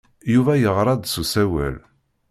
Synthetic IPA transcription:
juvæjəʁɾˤɑd̪susæwæ̰l

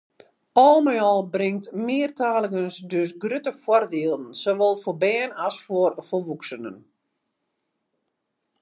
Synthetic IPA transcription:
ɔːlˠmɛjɔlˠbrɪŋtmɪːrtaːləkənsdøs̬ɡrøtəfwɔrdiəlˠdn̩soʋɔlˠfobɛːnasforfoʋuksənə̰n

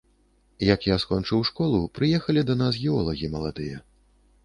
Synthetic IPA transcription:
jɐkjaskɔnt͡ʂɨwʂkɔlˠupɾɨjɛxɐlʲid̪ɐnas̬ɣʲɛɔlˠɐɣʲimɐlˠad̪ɨjɐ

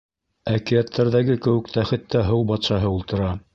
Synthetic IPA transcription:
ækijæt̪ʰːæɾðæɡɘkɘ̆wɘ̆k̚t̪æχɘ̆t̪ːæɦɤwbɑt̪sɑɦɤulˠt̪ɤ̆ɾɑ

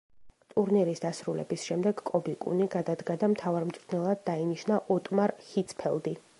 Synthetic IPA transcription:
t̪ʼuɾniɾisd̪asɾulɛ̰bisʃɛmd̪ɛɡkʼɔbikʼṵniɡad̪ad̪ɡad̪amt̪ʰavaɾmt̪sʼɾnɛlˠad̪̚ːainiʃnaʔɔt̪ʼmaɾhit̪sʰpʰɛ̰lˠd̪i

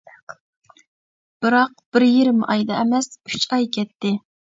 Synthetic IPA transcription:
b̥ɨɾɑq̚b̥ɪɾjeɾɪmɑjd̪ɑɛmɛsyt͡ʃɑjkʲʰɛt̪ʰːɪ

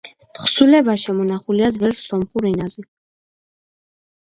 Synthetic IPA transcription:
t̪ʰχsulɛbaʃɛmɔnaχuliad̪zvɛlsːɔmχuɾɛnazɛ

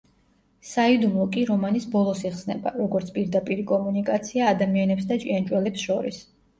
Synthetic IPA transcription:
said̪umlˠɔkʼiɾɔmanisbɔlˠɔsiχsnɛ̰ba̰ɾɔɡɔɾt̪sʰpʼiɾd̪apʼiɾikʼɔmunikʼat̪sʰiaːd̪amianɛpsd̪at͡ʃʼiand͡ʒʼwɛlɛpsʃɔɾḭs

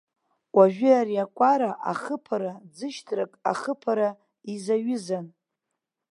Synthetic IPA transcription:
waʒᶣɨaɾiakʷʼaɾaʔa̰χəpʰaɾad͡zɨʃtʰrakʼa̰χəpʰaɾa | izaɥɪzan

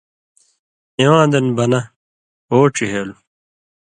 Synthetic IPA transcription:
iwãːd̪ɐnbɐnɐ | oːʈ͡ʂiɦeːlu

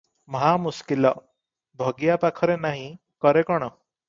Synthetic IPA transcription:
məɦamuskilɔ | bʱɔɡijapakʰɔɾenaɦĩ | kɔɾekɔɽ̃ɔ

